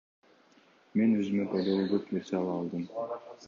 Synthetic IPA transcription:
me̞nøzymepɑjd̪ɑlˠuɡøpne̞ɾse̞ɑlˠɑːlˠd̪ɯm

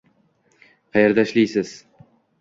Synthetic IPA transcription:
qʰɑjeɾd̪aʃlijsɪz̥

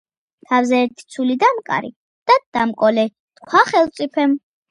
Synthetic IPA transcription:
t̪ʰavzɛːɾt̪ʰi̥t̪sʰulid̪amkʼa̰ɾḭ | d̪̥ad̪̥amkʼɔlɛ | t̪kʰwaχɛlˠt̪sʼipʰɛm

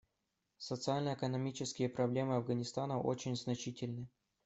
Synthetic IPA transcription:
sət̪sɨalʲnəɛkənɐmʲit͡ɕɪskʲɪjəpɾɐblʲe̞mɨɐvɡənʲɪst̪anəʔo̰t͡ɕɪnʲznɐt͡ɕitʲɪlʲnɨ

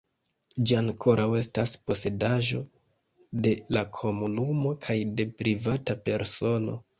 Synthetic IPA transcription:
d͡ʒiaŋkʰo̞ɾʔawe̞staspo̞se̞daʒo̞ | de̞lakʰo̞munumo̞kʰajde̞pɾivatape̞ɾso̞no̞̰

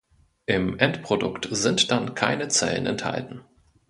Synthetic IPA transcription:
ʔɪmʔɛntpʁ̥odʊktzɪntd̥ankʰa̰ɪnət͡sɛ̰lə̰nɛ̰ntha̰ltn̩

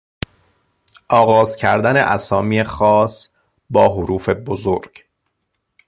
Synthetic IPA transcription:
ʔɒːɣɒːzcʰæɾd̪æne̞ʔæsɒːmiːexɒːs | bɒːɦoɾuːfe̞bozoɾɡ̥

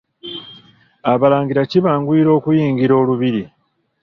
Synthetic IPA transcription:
aβalaːŋɡiɾaciβaːŋɡwiːɾo̞ːkujiːŋɡiɾo̞ːluβiɾi

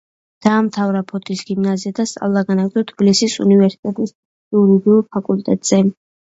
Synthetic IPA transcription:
d̪̥aːmt̪ʰavɾapʰɔt̪ʼisɡimnaziad̪ast̪sʼa̰vlˠaɡanaɡzɔt̪ʰbilisisṵnivɛɾsi̥t̪ʼɛt̪ʼis | iuɾiɡiuɾpʰakʼult̪ʼɛt̪ʼz̥ɛ

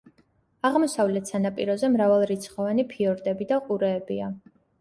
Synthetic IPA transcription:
aʁmɔsavlɛt̪ʰsanapʼiɾɔzɛmɾavalˠɾit̪sʰχɔvanipʰiɔɾd̪ɛbid̪aqʼuɾɛːbia

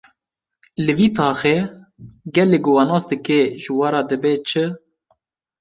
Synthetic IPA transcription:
lɨviːt̪ʰɑːxe | ɡɛleːɡowanoːsd̪ɨkeʒɨwɑɾɑːd̪ɨbɛt͡ʃʰɨ

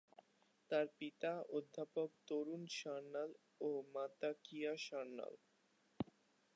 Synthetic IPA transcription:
t̪aɾpit̪aod̪ʱːapok̚t̪oɾunʃaɾnal | omat̪akijaʃaɾna̰l

